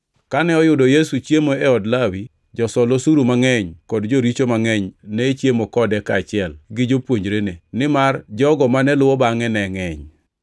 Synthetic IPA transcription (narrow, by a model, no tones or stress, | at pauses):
kanɛɔjʊdɔjesut͡ʃjemoɛɔdlawi | d͡ʒɔsɔlosuɾumaŋɛɲkɔdd͡ʒoɾit͡ʃomaŋɛɲnɛt͡ʃjemokɔdɛkaːt͡ʃɪɛlɡɪd͡ʒopwoɲd͡ʒɾenenɪmard͡ʒɔɡɔmanɛlʊwɔbaŋɛnɛŋɛɲ